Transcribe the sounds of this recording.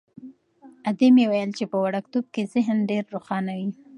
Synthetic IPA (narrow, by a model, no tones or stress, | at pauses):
ad̪emewajəlt͡ʃepəwaɽakt̪ob̚kezɪɦnɖeɾːoxɑnawi